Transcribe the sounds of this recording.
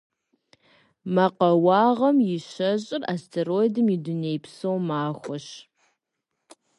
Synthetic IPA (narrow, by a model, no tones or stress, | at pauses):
mɐqɐwɑːʁɐmjɪɕɐʑʼɪra̰stʰerojdɨmidunejpsowmaːxʷɔɕ